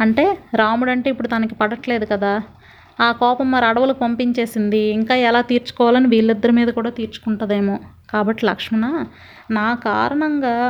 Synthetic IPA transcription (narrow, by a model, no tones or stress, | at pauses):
ɐɳʈe̞ːɾaːmuɽɐɳʈe̞ːipːuɽut̪aːnikipɐɽɐʈle̞ːd̪ukɐd̪aː | aːkɔːpɐmːɐɾɐɽɐʋɐlɐkpɐmpiɲt͡ʃe̞ːsind̪iːŋkaːɛlaːt̪iːɾt͡ʃu̥kɔːʋaːlɐniʋiːɭːid̪ːɐɾumiːd̪ɐkuːɽaːt̪iːɾt͡ʃu̥kuɳʈaːd̪eːmoː | kaːbɐʈːilɐ̰kʂminaː | naːkaːɾɐɳɐŋɡaː